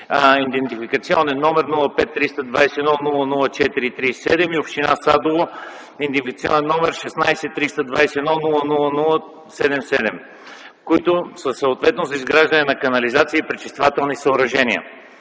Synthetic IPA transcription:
ind̪ɛnt̪ifikət̪siɔnɛnːɔmɛɾnulˠəpɛt̪ːɾist̪ɐd̪vajsɛnɔnulˠənulˠət͡ʃɛt̪iɾiːt̪ɾisɛd̪ɛmiopʃt̪inasad̪olˠo | ind̪ifikət̪siɔ̰nɛnːɔmɛɾʃɛsnajsɛt̪ːɾist̪ɐd̪vajsɛɛd̪ɔnulˠənulˠənulˠə | sɛd̪ɛmsɛd̪ɛm | koit̪ʊsəsəot̪vɛt̪nozɐizɡɾaʒd̪ənɛnɐkɐnɐlizat̪siəːpɾit͡ʃist̪vat̪ɛlˠnisəːɾɐʒɛniə̰

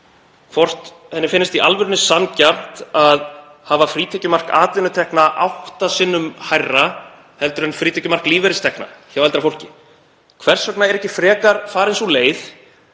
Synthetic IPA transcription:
fɔr̥t̪ | hɛnːɪfɪnːɪst̪iʔalvʏɾʏnʏsancar̥t̪að | haːvafɾiːt̪ʰɛcʏmar̥ka̰ːt̪vɪnʏt̪ʰɛhknaʔawht̪asɪnːʏmhajrːa | hɛlt̪ʏɾɛnfɾiːt̪ʰɛcʏmar̥kliːvɛɾɪst̪ɛhkna̰çawɛlt̪ɾafowl̥cɪ | kʰvɛr̥sœknaɛɾɛhcɪfɾɛːkaɾ̥faːɾensɔleːjθ

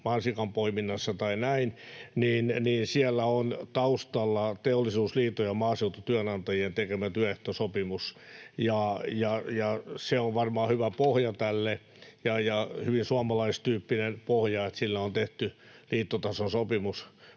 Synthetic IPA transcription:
mɑnsikɑmpoiminːɑsːɑt̪ɑinæinniːnniːnsiɛlːæont̪ɑust̪ɑlːɑt̪eolːisuːsliːt̪ojɑmɑːseut̪ot̪yænɑnt̪ɑjient̪ekemæt̪yæeht̪osopimusjɑjɑjɑseoʋʋɑrmɑːhyʋæpohjɑt̪ælːe | jɑjɑhyʋinsuɑmɑlɑist̪yːpːinenpohjɑet̪silːæont̪eht̪y | liːt̪ːot̪ɑsonsopimus

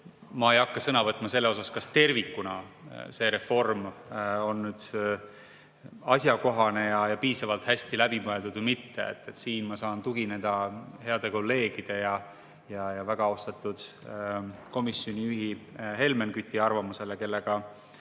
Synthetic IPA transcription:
mɑe̞jɑkːɑsɤnɑvɤt̪ːˑmɑse̞lːeo̞sɑskɑst̪e̞rvikːunɑse̞ɾe̞fo̞rmo̞nːyːd̪̥ | ɑsjɑko̞ɦɑne̞jɑjɑpiːsɑvɑlt̪hæsʲt̪ilæb̥imoe̞ld̪ud̪̥vmit̪ːe̞̰ḛt̪ːet̪siːnmɑsɑːnt̪uɡ̥ined̪̥ɑhe̞ɑd̪̥e̞ko̞lːe̞ːɡ̥id̪̥e̞jɑ | jɑjɑvæɡ̥ɑost̪ɑt̪ːˑud̪̥ | ko̞misːjonʲiyɦiɦe̞lme̞nkyt̪ʲːˑiɑrvɑmuse̞leke̞lːe̞ɡ̥ɑ

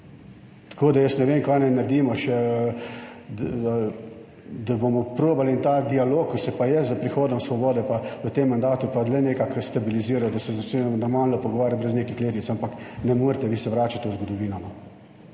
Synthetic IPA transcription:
t̪ḁkoːd̪ajəsnɛʋeːnkajnajnaɾd̪iːmɔʃɛ | d̪abomɔpɾoːbalint̪aːd̪ialoːkːisɛpajɛzəpɾixoːd̪ɔmsʋɔbɔːd̪ɛpaʋət̪emːand̪aːt̪upalɛneːkakst̪abiliziːɾawd̪asɛzat͡ʃenɛmnɔɾmaːlnɔpɔɡɔʋaːɾjabɾɛzneːkixleːt̪it̪sampaknɛmoːɾt̪ɛʋiːsɛʋɾaːt͡ʃat̪ɛzɡɔd̪ɔʋiːnama

